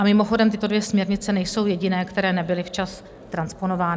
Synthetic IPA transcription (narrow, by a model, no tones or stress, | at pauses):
amɪmo̞xo̞dɛmt̪ɪt̪o̞dvjɛsmɲɛɾɲɪt͡sɛnɛjso̞wjɛɟɪnɛːkt̪ɛɾɛːnɛbɪlɪft͡ʃas | t̪ɾanspo̞no̞vaːnɪ